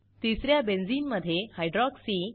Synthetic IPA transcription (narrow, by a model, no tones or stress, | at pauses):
t̪isɾjabend͡ziːnməd̪ʱːjehajɖɾɔksiː